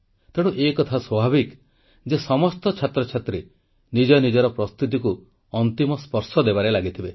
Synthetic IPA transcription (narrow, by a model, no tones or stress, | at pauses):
t̪eɽ̃uʔekɔt̪ʰaswɔbʱabik | d͡ʒesɔmɔst̪ɔt͡ʃʰat̪ɾɔt͡ʃʰat̪ɾe | nid͡ʒɔnid͡ʒɔɾɔpɾɔst̪ut̪̬iku | ɔnt̪imɔspɔɾsɔd̪ebaɾelaɡit̪ʰibe